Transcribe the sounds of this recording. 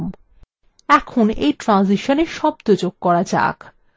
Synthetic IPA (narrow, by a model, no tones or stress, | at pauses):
m | ɛkʰonejʈɾãnziʃoneʃɔbd̪od͡ʑoɡ̚kɔɾad͡ʑa̰k